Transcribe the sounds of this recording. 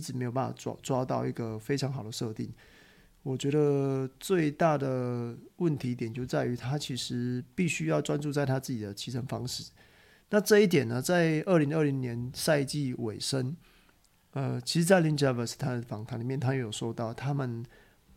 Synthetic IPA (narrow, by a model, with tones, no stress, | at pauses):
ʈ͡ʂɻ̩˨˩me˧˥ɪo˨˩pa˥˩fa̰˨˩˥t͡swɑ˥t̪ɑ˥˧ʊi˥˩ɡə˨fe˥ɪʈ͡ʂʰɑ˧˦ŋxɑ˨˩d̪ə˦ʂɤ˥˧t̪i˥˩ŋ | wɔ˨˩t͡ɕɥɛ˧˥d̪ə˧t͡swe˥˧ɪt̪a˥˩d̪ə˩wə˥˩nt̪ʰi˧˥i˥˩jɛ˨˩nt͡ɕjo˥˧ʊ˧t͡sa˥˩ɪy˧˥t̪ʰa˥t͡ɕʰi˧˥ʂɻ̩˧˦pi˥˩ɕy˥jɑ˥˩ʊʈ͡ʂwa˥nt͡su˥˧t͡sa˥˩ɪt̪ʰa˥t͡sɹ̩˥˩t͡ɕi˨˩d̪ə˦˩t͡ɕʰi˧˥t͡sʰə˧˥nfɑ˥ŋʂɻ̩˥˩ | na˥˧ʈ͡ʂɤ˥˧i˥˩t̪jɛ˨˩nːə˩t͡sa˥˧ɪə˥˩li˧˥ŋə˥˩li˧˥ŋnjɛ˧˦nsa˥˧ɪt͡ɕi˥˩we˨˩ɪʂə˦˥n | ə˧t͡ɕʰi˧˥ʂɻ̩˧˥t͡sa˥˩ɪli˥nt͡ɕa˥˩və˨˩s̩˨˩t̪ʰa˥də˨˩fɑ˨˩ŋt̪ʰa˨˥˦nli˨˩mjɛ˥˩nt̪ʰa˥jɛ˧˥jo˨˩ʊʂo˥˧ʊt̪ɑ˥˩ʊt̪ʰa˦˥mə˨n